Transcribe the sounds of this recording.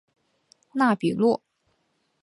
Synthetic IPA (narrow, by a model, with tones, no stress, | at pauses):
na˥˩pi˨˩lwɔ˥˩